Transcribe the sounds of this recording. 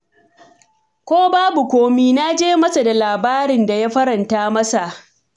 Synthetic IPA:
kʷoː˦baː˦bu˨kʷoː˦miː˦na˦d͡ʒeː˦mɐ˦sa˨da˨laː˨baː˦ɾɪ˨nda˨ja˦ɸɐ˦ɾɐ˨ntaː˦mɐ˦sa˨ʔ

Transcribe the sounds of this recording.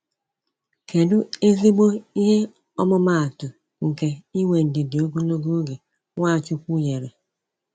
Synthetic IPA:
ke˨dʊ˦e˦zi˦ɡ͡bo˦i˦ɦe˦ | ɔ˦mʊ˦ma˦a˨tʊ˨ | ŋ̩˨ke˨i˦we˨n̩˨dɪ˨dɪ˨o˦ɡo˦no˦ɡo˦ɡe˨ | ŋʷa˦˨t͡ʃʊ˦kʷu˦je˨ɾe˨

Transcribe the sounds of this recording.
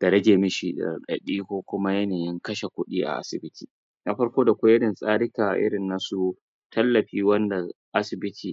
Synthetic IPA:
d̥ɐ˨ɾɐ˦d͡ʒeː˨mɪ˦ʃi˨ɗɐ̰˨rɗɐ̰˨ɗiː˦kʷoː˦kʷʊ˦ma˦jɐ˦neː˨jɪ˦ŋkɐ˦ʃe˨kʷʊ˦ɗiː˦ʔa̰˨ʔa̰˦sɪ˨bɪ˦tʰiː˨ | na˨ɸɐ˦ɽkʷoː˦da˨kʷa˦jɐ˦dɐ˨nsʼaː˦ɽɪ˦kaː˨ʔʔɪ̰˦ɽɪ˨nːa˦su˨ | tʰɐ˦lːɐ˨ɸiː˦wɐ˦nda˨ | ʔa˦sɪ˨bɪ˦tʰiː˨

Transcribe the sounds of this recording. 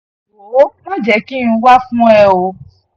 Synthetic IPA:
o˨˦mɔ̃˦d͡ʒɛ˨˦ki˦ũ˨˧˦wa˦fũ˦ɛ˦˧o˧

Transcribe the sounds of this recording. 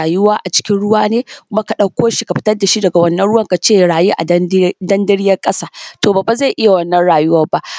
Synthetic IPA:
a˨jʊ˦waː˦ʔa˨t͡ʃɪ̥˦kʲɪ˦nɽʊ˦waː˦neː˦kʷʊ˦ma˦ka˨ɗɐ˦wkʷoː˦ʃi˦ka˨ɸɪ˦tɐ˦rda˨ʃi˦dɐ˨ɡa˨wɐ˦nːɐ˦nɽʊ˦wɐ˦ŋka˨t͡ʃeː˦˨ɽaː˨ju˦ʔa̰˨˦dɐ˦ndɐ˦ɽɪ˦jɐ˦rkʼɐ˦saː˦toː˨ba˨ba˨za˦˨ʔɪ˦ja˨wɐ˦nːɐ˦nɽaː˨jʊ˦wɐ˦ba˦ʔ

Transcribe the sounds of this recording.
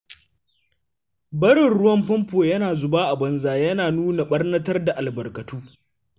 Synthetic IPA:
bɐ˦ɽɪ˨nɽʊ˦wɐ˦mɸɐ˦mpoː˨jɐ˦naː˨zʊ˨baː˦ʔa˨bɐ˨nzaː˨jɐ˦naː˨nuː˦na˨ɓɐ˦rnɐ˦tɐ˦rda˨ʔa˨lbɐ˨rkɐ˨tuː˦

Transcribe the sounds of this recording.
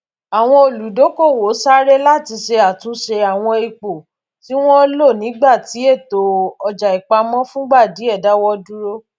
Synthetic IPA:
a˨w̃ɔ̃˧o˨lu˨˦do˨˦ko˦˨wo˨˦sa˦ɾe˦la˦ti˧ʃe˧a˨tũ˨˦ʃe˧a˨w̃ɔ̃˧e˧k͡po˨ | ti˦w̃ɔ̃˦lo˦˨nĩ˨˦ɡ͡ba˦˨ti˨˦e˦˨to˨ɔ˧d͡ʒa˨i˨k͡pa˧mɔ̃˦fũ˦ɡ͡ba˦˨di˨˦ɛ˦˨da˨˦wɔ˧du˦ɾo˦

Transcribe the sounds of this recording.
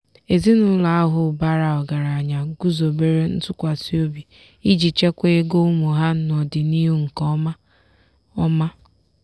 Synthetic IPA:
e˨zi˦nʊ˨˦la˨a˦ɦʊ˨ba˦ɾa˨ɔ˨ɡa˨ɾa˨a˨ɲa˨ɡu˦zo˨be˦ɾe˦n̩˦tʊ˦kʷa˨si˦o˦bi˨ | i˦d͡ʒi˨t͡ʃe˦kʷe˦e˦ɡo˦u˦mu˨ɦa˦n˨ɔ˨dɪ˨ni˦ɦu˦ŋ̩˨kɔ˦ma˦ | ɔ˦ma˦

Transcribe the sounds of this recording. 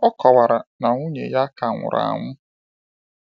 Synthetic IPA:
ɔ˦kʰɔ˨wa˨ɾa˨na˨ŋʷu˦ɲḛ˨ja˦ka˨ŋʷʊ̰˨ɾa̰˨ŋʷʊ˦

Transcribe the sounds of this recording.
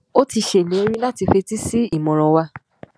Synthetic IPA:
o˦ti˧ʃe˦˨nĩ˨˦o˧˦ɾ̃ĩ˧la˦ti˧fe˧ti˦si˦i˦˨mɔ̃˨ɾ̃ɔ̃˨wa˧

